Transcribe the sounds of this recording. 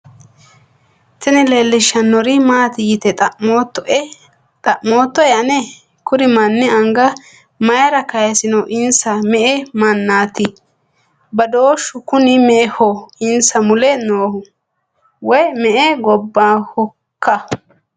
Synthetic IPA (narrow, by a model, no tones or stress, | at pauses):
t̪ɪnɪleːlːɪʃɐnːɔɾɪmaːt̪ɪjɪt̪ɛt̪ʼɐʔmot̪ːɔ | t̪ʼɐʔmoːt̪ːɔɛɐnɛ | kʊɾɪmanːɛɐŋɡɐ | mɐjɐɾɐkɐjɐsɪnɔʔɪnsɐmɛʔɛmɐnːaːt̪ɪ | bɐd̪oːʃʊkʊnɪmɛhɔɪnsɐmʊlɛnoːhʊ | wɔjmɛʔeɡɔbːahɔ | kʰːɐ